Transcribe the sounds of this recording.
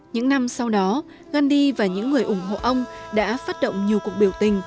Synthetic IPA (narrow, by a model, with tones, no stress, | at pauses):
ɲɨ̰˧˥ŋna˧msa˧wɗɔ˨˦ | ɣa˧nɗi˧vaː˨˩ɲɨ̰˧˥ŋːɨ˨˩əjʔʊ˧˩ŋ͡mɦo̰˧˨ʔə˧wŋ͡mɗa̰ː˧˥faː˦˥t̚ɗo̰˧˨wŋ͡mɲi˨˩əwku˨˩ək̚ɓi˧˩əwt̪ï˨˩ŋ̟